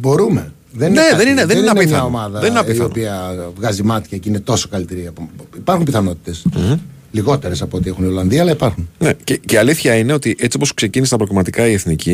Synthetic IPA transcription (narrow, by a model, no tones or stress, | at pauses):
bo̞ɾume̞ | ðenneðe̞nineðeinnɐnpiθɐɐnomɐðɐðeninɐpiθɐonpiɐvɣɐzimɐt̪çɐcinet̪o̞sokɐlit̪eɾiɐpoipɐɾxumpiθɐno̞t̪i̥t̪e̞s̩ | liɣo̞t̪eɾesɐpoot̪iexunio̞lɐnðiɐːlɐipɐɾxunnececeɐliθçɐineo̞t̪iʔe̞t͡sioposkse̞cinist̪ɐpɾoɣlimɐt̪ikɐie̞θnicʰi